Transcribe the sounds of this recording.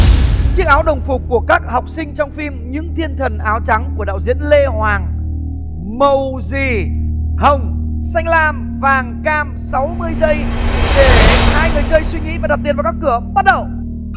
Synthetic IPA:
t͡ɕɨ˦˥ək̚ʔaː˨˦wɗə˨˩wŋ͡mfʊ˨˩k͡p̚kːu˧˩əkaː˦˥k̚hɔ˨˩wk͡p̚sï˧ŋ̟t͡ɕɔ˧wŋ͡mfi˧mɲɨ̰˧˥ŋt̪ʰi˧ənt̪ʰə˨˩nʔaː˨˦wt͡ɕa˨˦ŋku˧˩əɗa̰ː˧˨wzḭ˧˥ənle˧hwaː˨˩ŋ | mə˨˩wzi˨˩hə˨˩wŋ͡m | sa˧jŋ̟laː˧m | vaː˨˩ŋkaː˧msa˨˦wmɨ˧əjzə˧jɗe˧˩haː˧jŋɨ˨˩jt͡ɕəː˧jswi˧ŋḭ˧˥vaː˨˩ɗa˨˩t̪i˨˩vːka˦˥kːɨ˧˩əɓa˦˥t̚ɗə˧˨w

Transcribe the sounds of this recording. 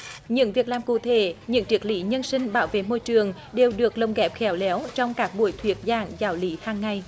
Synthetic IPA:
ɲɨ̰˧˥ŋvi˨˩ək̚laː˨˩mkṵ˧˩t̪ʰe˧˩˦ɲɨ̰˧˥ŋt͡ɕi˨˥ək̚lḭ˧˨˦ɲə˧nsï˧ŋ̟ɓaː˧˦wvḛ˧˨mo˧jt͡ɕɨ˨˩əŋ | ɗe˨˩wɗɨ˨˩ək̚lə˨˩wŋ͡mɣɛ˨˥p̚xɛ˨˦wlɛ˨˦wt͡ɕɔ˧wŋ͡mkaː˦˥k̚ɓu˧˩əjt̪ʰwi˨˩ət̚zaː˨˩ŋzaː˨˦wli˨˦haː˧˩ŋːa˨˩j

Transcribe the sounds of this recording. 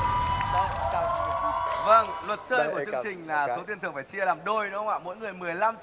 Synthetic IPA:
və˧ŋlwə˨˩t̚t͡ɕəː˧jkət͡ɕɨ˧ə˧ŋt͡ɕï˨˩ŋ̟laː˨˩so˨˦t̪i˨˩ənt̪ɨ˨˩əŋfaː˧˩t͡ɕi˧əlaː˨˩mɗo˧jnɔ˨˦˧ŋ͡mwa̰ː˧˩mo̰˧˥jŋɨ˨˩əjmɨ˨˩əjla˧m

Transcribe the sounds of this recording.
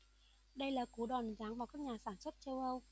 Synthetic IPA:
ɗə˧jlaː˨˩ku˨˧˦ɗɔ˨˩nzaː˨˦ŋvaː˨˩wkaː˦˥k̚ɲaː˨˩saː˧˩nswə˦˥t̚t͡ɕə˧wʔə˧w

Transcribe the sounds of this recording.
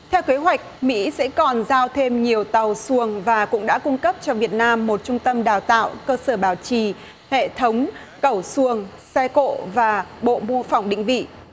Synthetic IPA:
t̪ʰɛ˧wke˨˦ɦwa˨˩jk̟̚mḭ˧˥sɛ̰˧˥kɔ˨˩nzaː˧wt̪ʰe˧mɲi˨˩əwt̪a˨˩wsu˧˨˩əŋvaː˨˩kʊ̰˧˥ŋ͡mɗa̰ː˧˥kʊ˧ŋ͡mkə˦˥p̚t͡ɕɔ˧vi˨˩ət̚naː˧mːo˨˩t̚t͡ɕʊ˧ŋ͡mt̪ə˧mɗaː˨˩wt̪a̰ː˧˨wkəː˧səː˧˩ɓaː˨˩wt͡ɕi˧˩ | hḛ˧˨t̪ʰə˨˦wŋ͡m | kə˧˩wsu˧˩əŋ | sɛ˧ko̰˧˨vaː˨˩ɓo̰˧˨mu˧əfa˨˩wŋ͡mɗḭ̈˧˨ŋ̟vḭ˧˨

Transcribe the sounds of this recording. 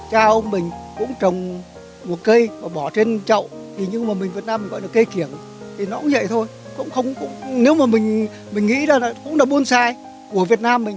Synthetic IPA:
t͡ɕaː˧ʔə˧ŋ͡mmï˨˩ŋ̟kʊ̰˧˥ŋ͡mt͡ɕə˨˩wŋ͡m | mo˨˩t̚kə˧jmaː˨˩ɓɔ˧˩t͡ɕe˧nt͡ɕə̰˧˨wt̪ʰi˨˩ɲɨ˧ŋmaː˨˩mi̟˨˩vi˨˩ət̚naː˧mːi̟˨˩ɣɔ̰˧˨jɗə˩kə˧jki˧˩ən | t̪ʰi˨˩nɔ˨˦kʊ̰˧˥ŋ͡mzə̰˧˨jt̪ʰo˧j | kʊ̰˧˥ŋ͡mxə˧wŋ͡mkʊ̰˧˥ŋ͡mne˨˦wmaː˨˩mï˨˩ŋ̟ | mï˨˩ŋ̟ŋḭ˧˥zaː˨˩laː˨˩kʊ̰˧˥ŋ͡mɗaː˨˧˩ɓu˧ənsaː˧j | ku˧˩əvi˨˩ət̚naː˧mːï˨˩ŋ̟

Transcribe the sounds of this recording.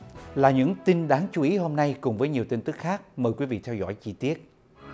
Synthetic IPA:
laː˨˩ɲɨ̰˧˥ŋt̪i˧nɗaː˨˦ŋt͡ɕu˨˦ʔi˨˦ɦo˧mna˧jkʊ˨˩ŋ͡mvəː˨˦jɲi˨˩əwt̪i˧ŋnt̪ɨ˦˥k̚xaː˦˥k̚məː˨˩jkwi˨˦vḭ˧˨t̪ʰɛ˧wzɔ̰˧˥˨jt͡ɕi˧t̪i˦˥ət̚

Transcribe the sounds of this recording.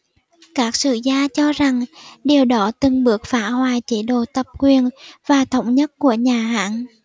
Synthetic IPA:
kaː˦˥k̚sɨ̰˧˨zaː˧t͡ɕɔ˧za˨˩ŋɗe˨˩əwɗɔ˨˦t̪ɨ˨˩ŋɓɨ˦˥ək̚faː˧˥hwaː˨˩jt͡ɕi˨˦ɗo˨˩t̪ə˨˩p̚kwi˨˩ənvaː˨˩t̪ʰə˨˦wŋ͡mɲə˦˥t̚ku˧˩əɲaː˨˩ɦa̰ː˧˥n

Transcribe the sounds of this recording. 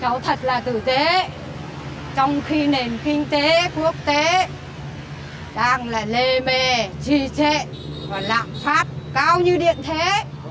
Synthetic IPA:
t͡ɕə˨˦wt̪ʰə˨˩t̚laː˨˩t̪ɨ˧˩t̪e˨˦ | t͡ɕɔ˧wŋ͡mxi˧ne˨˩nkï˧ŋ̟t̪e˨˦ku˦˥ək̚t̪e˨˦ | ɗaː˧ŋlaː˨˩le˧me˧˩t͡ɕi˧˩t͡ɕḛ˧˨ | vɔː˨˩la̰ː˧˨mfaː˦˥t̚kaː˧wɲɨ˧ɗḭ˧˨ənt̪ʰe˨˦

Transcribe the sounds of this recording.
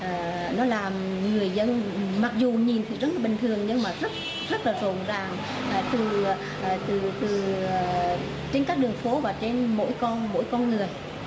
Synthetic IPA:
ʔəː˨˩ | nɔ˨˦laː˨˩mŋɨ˨˩əjzə˧nma˨˩k̚zu˨˩ɲi˨˩nt̪ʰɨ̰˨˩zə˦˥la˨˩ɓï˨˩ŋ̟t̪ʰɨ˨˩əŋɲɨ˧ŋmaː˨˩zə˦˥t̚ | zə˦˥t̚laː˨˩zo̰˨˩nzaː˨˩ŋ | ʔəː˨˩t̪ɨ˨˩ | ʔːt̪ɨ˨˩t̪ɨː˨˩˨ | t͡ɕe˧nkaː˦˥k̚ɗɨ˨˩əŋfo˨˦vaː˨˩t͡ɕe˧nmo̰˧˥jkɔ˧nmo̰˧˥jkɔ˧nŋɨ˨˩əj

